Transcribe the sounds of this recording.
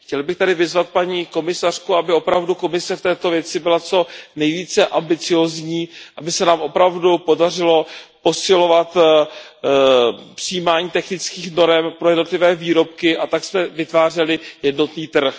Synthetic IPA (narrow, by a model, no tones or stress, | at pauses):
xcɛlbɪxt̪adɪvɪzvat̪̚paɲiːko̞mɪsar̝̥kuabɪo̞pɾavduko̞mɪsɛft̪ɛːt̪ovjɛt͡sɪbɪlat͡so̞nɛjviːt͡sɛʔambɪt͡sɪjoːzɲiːʔabɪsɛnaːmʔo̞pɾavdupo̞dar̝ɪlo̞po̞sɪlo̞vat̪ | pr̝̥ɪjiːmaːɲiːt̪ɛxnɪt͡skiːxno̞ɾɛmpɾo̞jɛdno̞t̪lɪvɛːviːɾo̞pkɪʔat̪aksmɛvɪt̪vaːr̝ɛlɪjɛdno̞t̪niːt̪r̩x